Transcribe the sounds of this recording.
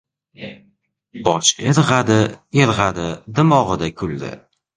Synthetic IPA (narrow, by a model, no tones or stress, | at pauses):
b̥ɒt͡ʃeɾʁɑd̪ɪeɾʁad̪ɪd̪ɪmɒʁɨd̪akʲʰʊld̪ɪ̰